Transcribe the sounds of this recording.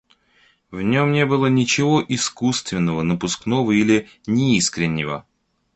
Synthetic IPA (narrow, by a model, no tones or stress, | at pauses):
vnʲo̞mnʲebɨlˠənʲɪt͡ɕɪvoʔɪskust̪vʲɪnːəvənəpʊsknovəilʲɪ | nʲɪiskɾʲɪnʲːɪvə̰